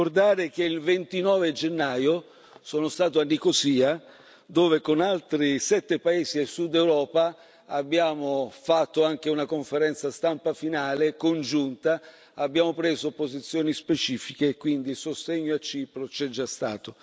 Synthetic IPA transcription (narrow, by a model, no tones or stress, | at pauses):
kord̪aːɾek̟eilvent̪inɔːved͡ʒenːaːjo | soːnost̪aːt̪̬oanːikosiːa | d̪oːvekonalt̪ɾisɛt̪ːepaeːziesud̪ɛwɾɔːpa | abːjaːmofat̪ːoaŋk̟eunakoɱfeɾɛnt̪sast̪ampafinaːlekond͡ʒunt̪a | abːjaːmopɾeːzopozit̪sːjɔːnispet͡ʃiːfikeːkːwind̪isost̪eɲːoat͡ʃːiːpɾot͡ʃɛd͡ʒːast̪a̰ːt̪o